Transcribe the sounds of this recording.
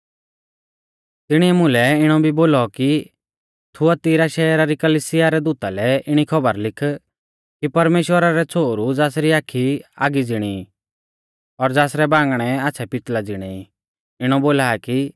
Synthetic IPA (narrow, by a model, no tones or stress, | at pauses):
t̪ɪɽ̃iɛmʊ̃lɛɪɽ̃ɔbʱiboːlɔki | t̪ʰʊat̪ɪːɾaʃɛːɾaɾikɐlisɪjaɾɛd̪uːt̪alɛɪɽ̃ikʰɐbəɾlɪkʰ | kipɐɾmeːʃwəɾaɾɛt͡sʰoːɾud͡zaːsɾiaːkʰia̰ːɡid͡zɪɽ̃iː | ɔɾd͡zaːsɾɛbãːŋɡɽ̃ɛaːt͡sʰɛpɪt̪lad͡zɪɽ̃ɛi | ɪɽ̃ɔboːlaːki